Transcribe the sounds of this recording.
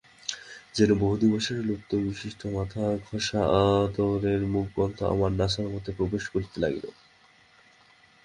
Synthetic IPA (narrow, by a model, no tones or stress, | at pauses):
d͡ʑenoboɦud̪iboʃeɾlut̪ːobiʃiʃʈʰomat̪ʰaɡʱoʃaʔad̪oɾeɾmuk̚bɔnt̪ʰoa̰maɾnaʃaɾmot̪ʰepɾobeʃkoɾt̪ela̰ɡelo̰